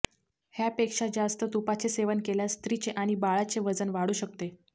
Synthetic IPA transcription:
hjapekʂad͡zast̪ət̪upat͡seseʋənkeljast̪ɾit͡ɕeʔaɽ̃ibaɭat͡seʋəd͡zənʋaɽuːɕək̚t̪e

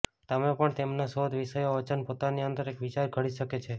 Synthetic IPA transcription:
t̪əmẽpəɳt̪emnaʃod̪ʱʋiʃəjoət͡ʃənpot̪aniənt̪əɾekʋit͡ʃaɾkʰəɽiʃəket͡ʃʰe

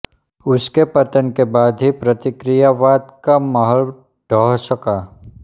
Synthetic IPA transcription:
ʊskepət̪ənkebaːd̪ʱɦipɾət̪ɪkɾijaʋaːd̪kaməɦəl | ɖ̥ʱəɦsəkaː

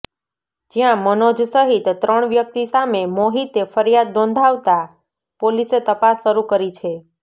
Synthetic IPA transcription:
d͡ʒijãmənod͡ʒsəɦit̪ːɾəɳ̃ʋjək̚t̪isamemoɦit̪efəɾijad̪ːɔ̃nd̪ʱaʋt̪a | poliset̪əpasːəɾukəɾit͡ʃʰe

